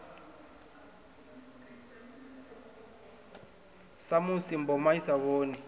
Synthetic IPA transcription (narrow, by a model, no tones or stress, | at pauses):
samusimbɔmaisaβoːni